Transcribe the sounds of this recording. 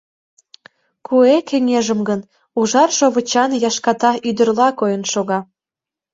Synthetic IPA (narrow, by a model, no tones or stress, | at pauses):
kʰuekeŋeʒəmɡən | uʒɑrʃoβət͡ɕɑnjɑʃkɑt̪ɑyd̪ərlɑkojənʃoɣɑ